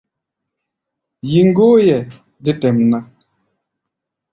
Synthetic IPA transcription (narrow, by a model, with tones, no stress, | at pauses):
ji˨ŋ̩˦ɡoː˦jɛ˨ | di˦tɛ˨mna˦